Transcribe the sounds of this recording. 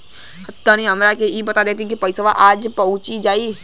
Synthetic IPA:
hɐt̪ːanĩɐmɾakeibɐt̪ad̪eːt̪̬ikipɐɪsəʋaʔaːd͡ʒpɐɦʊ̃t͡ʃid͡ʒaːiː

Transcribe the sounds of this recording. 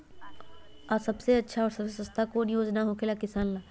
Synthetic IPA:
asɐbseɐtːʃʰaɔːɾsɐbsesəst̪ʰakoːnjoːd͡ʒnaɦokʰelakɪsaːnlaː

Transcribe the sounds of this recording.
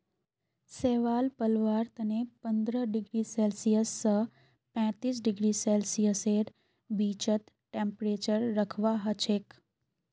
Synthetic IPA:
seʋaːlpəlʋaɾt̪ənepənd̪ɾəɖɪɡɾiselsijəsːə | pɛ̃t̪iːs̬ɖɪɡɾiselsijəseɾ | bit͡ʃət̪ | ʈẽmpɾet͡ʃəɾːəkʰʋaɦət͡ʃʰek

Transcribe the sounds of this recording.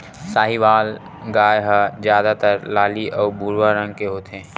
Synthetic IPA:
saːɦiʋaːl | ɡaːjɦazjaːd̪at̪əɾlaːliʔɔːbʱuːɾwaɾə̃ŋɡ̚keɦoːt̪ẽː

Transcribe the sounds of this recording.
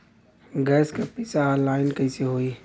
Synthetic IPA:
ɡɛːskepisalaːɪnkɐɪseɦoːi

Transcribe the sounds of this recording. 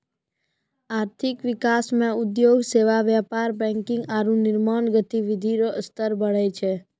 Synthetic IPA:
aɾt̪ʰɪkʋɪkasmãʊd̪joɡseʋaʋjapaɾbɛ̃ŋkɪ̃ŋɡaɾũnɪɾmaɳɡət̪iʋɪd̪ʱiɾoəst̪əɾbəɭet͡ʃʰe

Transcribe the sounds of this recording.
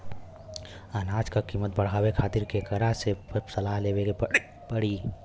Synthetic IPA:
ənaːd͡ʒkakiːmət̪̚bəɽ̤aːwekʰaːt̪ɪɾkekəɾasesəlaːɦleːweɡep | pəɽiː

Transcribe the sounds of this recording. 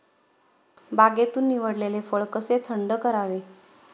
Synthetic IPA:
baɡet̪uːnːiʋəɽlelefəɭkəset̪ʰəɳɖəkəɾaʋe

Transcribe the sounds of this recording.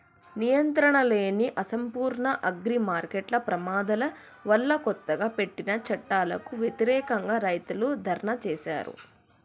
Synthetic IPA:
nijɐnt̪ɾɐɳɐleːniʔɐsɐmpuːɾɳɐʔɐɡɾimaːɾkeʈlɐpɾɐmaːd̪ɐlɐ | ʋɐɭːɐkɔt̪ːɐɡaːpe̞ʈːinɐt͡ʃɐʈːaːlɐkuʋjɐt̪iɾɛːkɐŋɡaːɾɐjt̪ulud̪ʱɐɾɳɐt͡ʃɛːsa̰ːɾṵ

